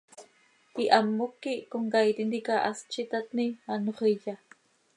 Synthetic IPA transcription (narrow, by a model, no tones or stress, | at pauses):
iʔamːʊkːikoŋkajt̪inikaʔast͡ʃit̪at̪nianoχiʎa